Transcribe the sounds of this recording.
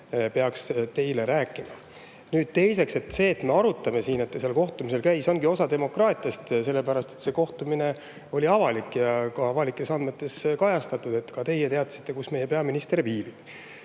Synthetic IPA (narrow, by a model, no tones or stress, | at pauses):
pe̞ɑkst̪e̞jleɾæːkːˑimɑ | nyːd̪̥̚t̪e̞jse̞kse̞t̪se̞ːt̪ːˑme̞ɑɾut̪ˑːɑmesiːne̞t̪ːeselko̞ht̪umise̞lkæjso̞ŋɡio̞sɑd̪e̞mo̞krɑːt̪ʲˑijɑst̪se̞lːepæɾɑst̪e̞t̪ːse̞ko̞ht̪umine̞ | o̞lʲiɑvɑlikːjɑkɑɑvɑlikːˑe̞sɑnd̪me̞t̪ːˑe̞skɑjɑst̪ɑt̪ːˑud̪̥e̞t̪ːkɑt̪e̞jet̪e̞ɑt̪ːˑsi̥t̪ːe̞kusme̞jepeɑminist̪e̞rviːbib̥